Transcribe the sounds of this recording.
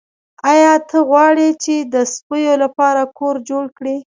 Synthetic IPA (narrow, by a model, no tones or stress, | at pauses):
ɑjɑt̪ʰəɣwɑɽit͡ʃed̪əspəjolapɑɾakoɾd͡ʒoɽkɽi